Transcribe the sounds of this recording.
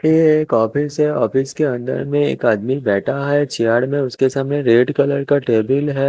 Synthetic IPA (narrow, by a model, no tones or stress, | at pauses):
jeːkɔːfɪsɦɛɔːfɪskeɐ̃nd̪ə̰ɾmẽḛːkaːd̪mibɛːʈʰaɦɛt͡ʃʰijaːɽmẽʊskesaːmneɾeːɖkɐləɾkaʈeːbɪlɦɛː